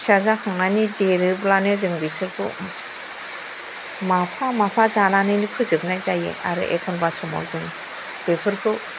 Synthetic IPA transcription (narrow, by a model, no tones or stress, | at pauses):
sazakʰaŋnajnideɾɯblanɯzɯŋbisɯɾpʰɯ̰mas | mapʰamapʰazananɯjnikʰɯzɯbnajzajḛa̰ɾɯ̰ʔḛkʰɔnbasɔma̰wzɯŋ | b̥epʰɯɾpʰɯ